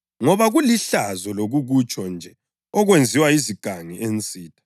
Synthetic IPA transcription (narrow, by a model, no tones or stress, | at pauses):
ŋɔβaɣuliɬazɔloɣuɣut͡ʃʼɔnd͡ʒʱɛ | ɔɣwend͡zʱiwaiziɡ̥ʱaŋiʔent͡sʼiːtʰʼḁ